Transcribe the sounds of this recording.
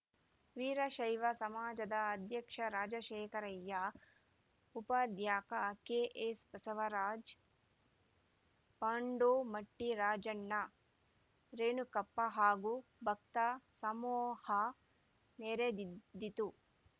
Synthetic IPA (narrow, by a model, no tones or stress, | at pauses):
ʋiːɾɐʃɐjʋɐsɐmaːd͡ʒɐd̪ɐːd̪ʱjɐkʂɐɾaːd͡ʒɐʃeːkɐɾɐjːɐ | upɐd̪ʱjaːkɐkeːʔespɐsɐʋɐɾaːd͡ʒ | paːɳɖoːmɐʈːiɾaːd͡ʒɐɳːɐ | ɾeːnukɐpːɐɦaːɡubʱɐk̚t̪ɐsɐmoːhɐ | neːɾed̪d̪ːit̪u